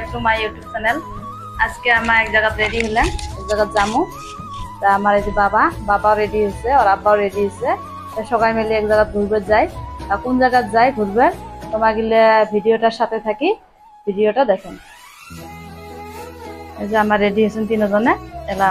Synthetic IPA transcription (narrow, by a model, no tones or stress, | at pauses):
k̚t̪umajjuʈjub̚sʰanɛl | askeamaɛk̚zaɡat̪ɾeɖiɦelenɛk̚zaɡat̪zamu | t̪ɔamaɾed̪ibabababaoɾeɖiɦoseɔɾabːaoɾeɖiɦose | t̪aʃɔɡajmeliɛkzaɡat̪̚ɡʱuɾbeɾzajt̪akunzaɡat̪zajɡʱuɾbeɾt̪ɔmaɡilebʱiɖijoʈaɾʃat̪ʰet̪ʰaki | bʱiɖijoʈad̪ɛkʰɛn | ezeamaɾːeɖiɦosunt̪inɔzɔneɛla